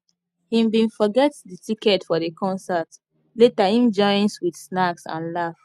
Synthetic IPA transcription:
hĩmbĩnfɔɡɛtdətikɛtfɔdekʰɔ̃nsat | letahĩmd͡ʒɔ̃ɪ̃nswidsnaksã̰nlaf

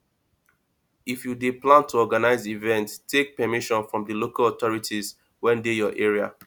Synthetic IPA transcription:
ifjudeplãntʰuɔɡanaɪzivɛ̃nttʰːek̚pɛmiʃɔ̃nfɹɔ̃mdəlokalɔtɔɹitʰiz | wɛ̃ndejɔʔɛɹia̰

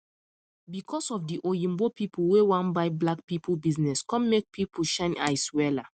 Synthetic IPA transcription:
bikʰɔsɔfdiʔolĩmbopipʰulwewãnbaɪblak̚pipʰlbiznɛskɔ̃mːek̚pʰipʰuʃãna̰ɪswɛla

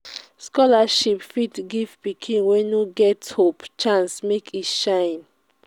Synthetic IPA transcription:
skɔlaʃipfitɡivpikʰĩnwɛ̃nuɡɛthopt͡ʃãnsmekʰitʃãɪ̃n

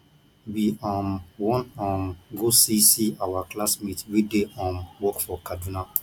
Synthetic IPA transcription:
wiɔ̃mwɔ̃nɔ̃mɡosisiawaklasmitwideʔɔ̃mwɔkfɔkaduna

